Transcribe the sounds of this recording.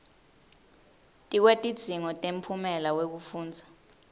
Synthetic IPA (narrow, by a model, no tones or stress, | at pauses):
tʼik̬wetʼid̥d͡z̥ʱiŋɔtʼem̩pʰumɛlawek̬ufuːnd͡zʱḁ